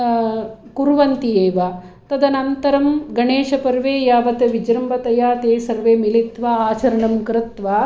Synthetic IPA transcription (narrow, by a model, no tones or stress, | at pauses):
kuɾʋɐnt̪ieːʋaː | t̪ɐd̪ɐnɐnt̪ɐɾɐmɡɐɳeːʃɐpɐɾʋeːjaːʋɐt̪ɐʋid͡ʒɾɐmbɐt̪ɐjaːt̪eːsɐɾʋeːmilit̪ʋaːaːt͡ʃɐɾɐɳɐmkɾɪt̪ʋaː